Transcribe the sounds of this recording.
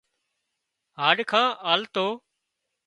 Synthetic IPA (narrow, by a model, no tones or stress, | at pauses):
ɦaːɖkʰãːʔaːlt̪oː